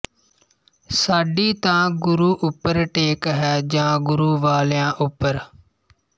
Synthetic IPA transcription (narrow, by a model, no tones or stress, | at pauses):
saːɖiːt̪ãːɡʊɾuːʔʊpːəɾʈeːkɦɛːd͡ʒãːɡʊɾuːʋaːljãːʔʊpːəɾ